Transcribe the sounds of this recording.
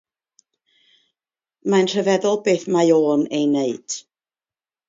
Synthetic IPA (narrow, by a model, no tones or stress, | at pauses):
manr̥əvɛðɔlˠbeːθmajoːnejneɨd̥